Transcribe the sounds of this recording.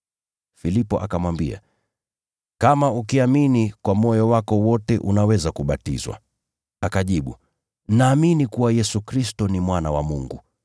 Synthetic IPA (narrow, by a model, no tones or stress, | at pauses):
filipɔʔakamwambia̰ | kamaukiaminikwamɔjɔwakɔwɔtɛʔunawɛzakuɓatḭzwa̰ | akaʄiɓṵ | naːminikuwajɛsukɾistɔnimwanawa̰muŋɡu